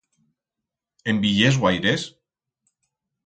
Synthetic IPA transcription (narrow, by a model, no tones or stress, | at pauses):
embiʎezwajɾes